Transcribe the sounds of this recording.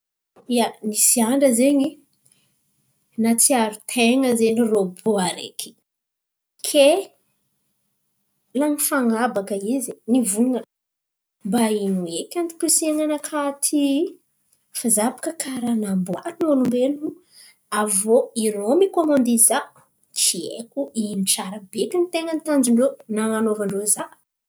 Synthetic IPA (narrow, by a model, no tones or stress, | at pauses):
ianisiaɳɖ͡ʐəzeɲi | nat͡siaɾut̪ʰeŋəzeɲiroboaɾḛkʰi̥ | kʰe | laŋifaŋabakəizinivuŋə | mbainuekʲant̪i̥pisiaŋanakʰat̪ʰi | fazabḁkəkʰaɾanambonolumbenu | avoiɾomikomond̪iza | t͡ʃiḛkuʔiniʈ͡ʂaɾəbekʲinit̪eŋənit̪and͡ʒiɳɖ͡ʐenaŋanovaɳɖ͡ʐoza